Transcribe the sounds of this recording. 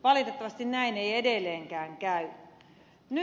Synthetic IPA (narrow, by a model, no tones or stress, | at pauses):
ʋɑlit̪et̪ːɑʋɑst̪innæineiedelːˑeːŋkæːŋkæy | ny